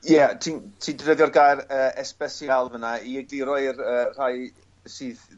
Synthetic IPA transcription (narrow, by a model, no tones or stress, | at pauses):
jɛtʰintʰiːdrəðjɔrɡajɾəːɛspɛsjalˠvənaiɛɡiɾɔɨrəːr̥aj | sɨːð